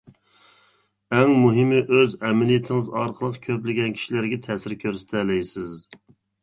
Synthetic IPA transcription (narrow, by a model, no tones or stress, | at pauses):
ɛŋmuɦɪmɪʔøzɛmɪlijit̪ʰɪŋɨzɑɾqʰəlˠəqkʲʰøplɪɡʲɛnkʲʰi̥ʃilæɾɡʲɛt̪ʰɛːsɪɾkʲʰøɾst̪ʰɛlɛjsɪz